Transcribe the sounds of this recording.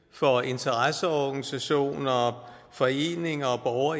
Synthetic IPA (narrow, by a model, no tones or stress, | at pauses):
fɒ̽e̝nt͡sʰɐʁasəɒɡ̥ænisæɕo̝̰ːnɒ | fɒ̽e̝̰ːne̝ŋɐɒb̥ɒʊɐ